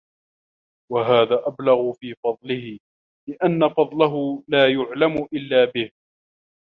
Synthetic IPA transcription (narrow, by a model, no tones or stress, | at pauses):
waɦaːðaːʔablaɣʊfiːfɑd̪ˤlɪhɪ | lɪʔanːafɑd̪ˤlaɦʊlaːjʊʕlamʊʔɪlːaːbɪh